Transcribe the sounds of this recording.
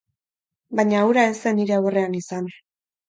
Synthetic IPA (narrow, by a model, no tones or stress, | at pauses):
baɲaːwɾaeseniɾe̞awre̞anisan